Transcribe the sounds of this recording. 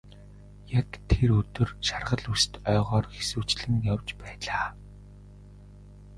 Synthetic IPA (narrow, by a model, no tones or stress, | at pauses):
jakt̪ʰeɾɵt̪ɵ̆rʃarʁə̆ɮust̪œːʁɔːrxesŭːt͡ɕɮɘ̆ŋjawt͡ɕpæːɮaː